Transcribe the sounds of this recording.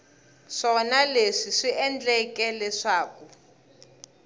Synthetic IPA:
ʂɔnaleʂiʂiʔɛnd͡ɮɛkɛlɛʂaːkɔ

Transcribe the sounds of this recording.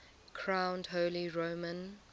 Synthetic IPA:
kʰɹ̥ãʊ̃ndɦoʊliɹoʊmə̃n

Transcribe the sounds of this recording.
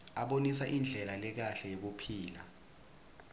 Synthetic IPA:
aɓonisaʔind͡ɮʱɛlalɛk̬aɬɛjek̬upʰiːla

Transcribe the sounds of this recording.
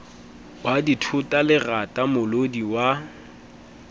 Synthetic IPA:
waditʰʊtʼalɪratʼamʊlodiwa

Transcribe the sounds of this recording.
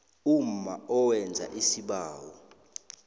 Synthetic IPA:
um̩maɔwɛnd͡zʱa̰ʔisiɓaːwɔ̰

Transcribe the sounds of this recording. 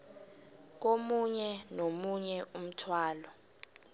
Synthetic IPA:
k̬omuɲɛnomuɲɛʔum̩tʰwaːlɔ

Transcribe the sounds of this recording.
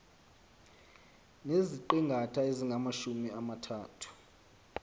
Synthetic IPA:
neziǃiŋɡʱatʰaeziŋɡʱamaʃumiamatʰaːtʰu̥

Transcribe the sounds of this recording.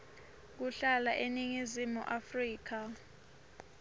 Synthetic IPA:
k̬uɬalaʔeniŋizimṵʔafriːk̬a

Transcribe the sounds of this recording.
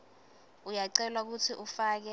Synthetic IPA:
ujaǀɛlwak̬utʰiʔufaːk̬ɛ

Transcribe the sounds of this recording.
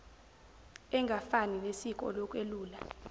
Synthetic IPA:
ɛŋɡʱafaninesik̬ʼɔ̰lɔkʼweluːla

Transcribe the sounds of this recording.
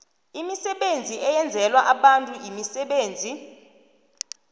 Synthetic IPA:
imisɛɓend͡zʱiɛjɛnd͡zʱɛlwaʔaɓantʼuimisɛɓeːnd͡zʱi

